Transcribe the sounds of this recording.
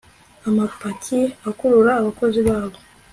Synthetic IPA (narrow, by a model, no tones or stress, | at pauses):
amapacʰiakuɾuɾaːβako̞ziβaːβo̞